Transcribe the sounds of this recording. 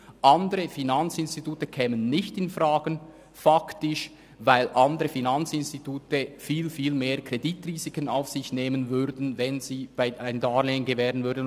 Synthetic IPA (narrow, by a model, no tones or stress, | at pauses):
ʔɑnd̪əɾəfinant͡sɪnst̪ituːtəkʰɛːmənːɪçtɪnfʁaːɡən | faktɪʃ | vaɪlʔɑnd̪əʁəfinant͡sɪnstituːtəfiːlfiːlmeːɐkʰr̥editriːzikəna̰ʊfsɪçneːmənvʏɾdn̩vɛnziːb̥aɪaɪndaːleːənɡevɛːɾənvʏɾdn